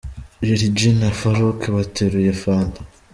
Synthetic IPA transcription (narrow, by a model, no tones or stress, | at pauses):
jeɾid͡ʒinafaɾokʰeβatʰeɾujefaːnda